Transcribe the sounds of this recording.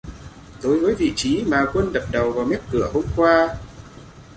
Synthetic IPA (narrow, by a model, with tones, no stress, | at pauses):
ɗo˨˦jvəː˨˦jvḭ˧˨t͡ɕi˨˦maː˨˩kwə˧nɗə˨˩p̚ɗə˨˩wvaː˨˩wmɛ˦˥t̚kɨ˧˩əho˧mkwaː˧